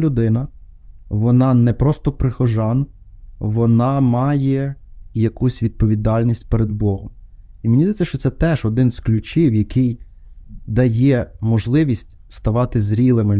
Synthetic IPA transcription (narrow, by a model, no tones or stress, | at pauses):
lʲʊd̪ɪnɐ | ʋɔnɑnɛpɾɔst̪ɔpɾɪxɔʒɑn | ʋɔnɑmɑjɛjɐkusʲʋʲid̪̚pɔʋʲid̪ɑlʲnʲisʲtʲpeɾed̪̚bɔɦɔm | imenʲizd̪ɛt͡sʲːɐʃt͡ʃɔt̪sɛt̪ɛʒɔd̪ɪnzklʲʊt͡ʃʲiwjɐkɪj | d̪ɐjɛmɔʒlˠɪʋʲisʲtʲ | st̪ɐʋɑt̪ɪzɾʲilˠɪmɪ